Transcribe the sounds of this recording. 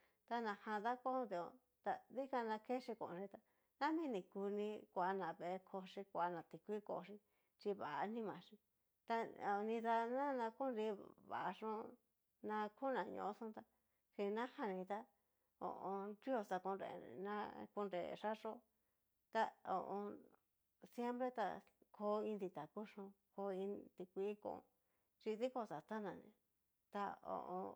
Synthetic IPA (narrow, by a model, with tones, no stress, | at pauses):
t̪a˧nã˧hã˧ða˦kʷõ˦˧˦d̪i˧õ̰˧˨ | t̪a˧ði˦ka˧nã˧ke˦ʂi˧kõ̰˧˨˧ʐĩ˧t̪a˧ | nã˦mĩ˦nĩ˨ku˧nĩ˧kʷa˨˧nã˨βe˨˧kʰo˧ʂi˧kʷa˧˦nã˨t̪i˧kʷi˦ko̰˧ʂi˧ | t͡ʃi˧βa˨˧nĩ˦mã˨ʂi˧ | t̪a˧o˨˧nĩ˧ða˧nã˦nã˧ku˦nɾi˧βa̰˨ʔʂõ˦ | nã˧kʰu˦nã˨ɲõ̰˧˨˦sũ˦t̪a˧ | hi˧nã˦ha˧nĩ˧t̪a˦ | õ̰˨ʔõ˧ɾi˦o˧t̪a˧ku˧nɾḛ˧˨nã˦ku˧nɾḛ˨ʂa˦ʂo˦ | t̪a˧o̰˨ʔõ˧ | sje˦mpɾe˦t̪a̰˧kʰo˧˦ĩ˧nd̪i˧t̪a˨ku˦ʂõ˧ko˧ĩ˧t̪i˧kʷi˧˦kõ̰˧ | t͡ʃi˧t̪i˦ko˧t̪a˨t̪a˦nã˨nḭ̃˨˧˨ | t̪a˧õ̰˧˨ʔõ̰˧